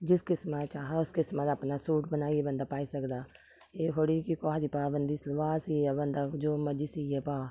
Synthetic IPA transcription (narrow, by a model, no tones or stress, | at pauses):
d͡ʒɪskɪsmat͡ʃaːɦaʊskɪsmat̪ɐpnasuːʈ̚bənaːiebɐ̃nd̪apaːisɐkd̪aː | eːɦoɽikikɔad̪ipaːbənd̪islʋaːsiabɐnd̪ad͡ʒoːmɐd͡ʒɪsijepaː